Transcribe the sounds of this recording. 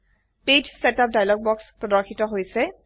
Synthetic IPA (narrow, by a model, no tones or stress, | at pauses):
ped͡ʒsɛtap̚dajlɔɡ̚bɔkspɔdɔɹkʰitɔɦojsɛ